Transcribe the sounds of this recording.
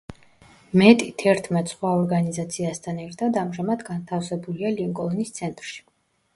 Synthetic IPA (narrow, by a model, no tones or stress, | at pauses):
mɛt̪ʼit̪ʰɛɾt̪ʰmɛt̪ʼsχwaɔɾɡanizat̪sʰiast̪ʰanɛɾt̪ʰad̪amʒamad̪ɡant̪ʰafsɛbulialiŋkʼɔnist̪sʰɛnt̪ʼɾʃi̥